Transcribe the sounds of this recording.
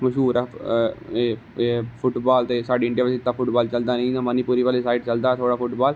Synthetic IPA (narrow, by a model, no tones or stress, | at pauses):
məʃuːɾa | e | pʰʊʈbaːlt̪eːsaːɖiːɪɳɖijaːʋəsit̪ːaːpʰʊʈbaːlt͡ʃəld̪aːnẽnãməniːpuːɾiːʋaːlesaːɪʈt͡ʃəld̪aːt̪ʰoːɽaːpʰʊʈbaːl